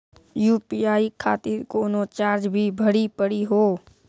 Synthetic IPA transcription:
juːpiaːikʰaːt̪ɪɾkoːnot͡ʃaːɾd͡ʒbʱibʱəɽipəɽiɦoː

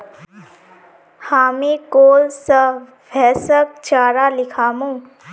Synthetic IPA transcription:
haːmẽkoːlsə | bʱɛːsək̚t͡ʃaːɾalɪkʰaːmũː

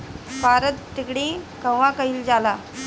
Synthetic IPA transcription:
paɾət̪ːikɽĩkə̃ʋːãkəɦild͡zala

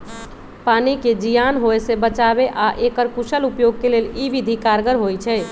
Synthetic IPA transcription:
paniked͡ʒijanɦoesebət͡ʃabeʔaʔekəɾkuʃəlupjoɡ̚keleliʋid̪ʱikaɾɡəɾɦojt͡ʃʰɛ

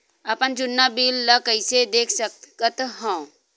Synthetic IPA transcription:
əpənd͡ʒʊnːabiːlːəkəɪsed̪eːkʰsəkət̪ɦɔ̃

